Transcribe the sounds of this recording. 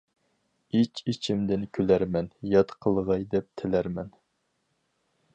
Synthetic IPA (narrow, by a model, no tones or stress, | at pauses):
it͡ʃit͡ʃʰimd̪ɪnkʲʰølæɾmɛnjɑt̪qʰəlˠʁɑjd̪ɛp̚t̪ʰɪlæɾmɛn